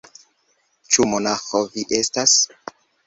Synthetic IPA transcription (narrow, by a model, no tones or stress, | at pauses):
t͡ʃumo̞naxoviʔe̞stas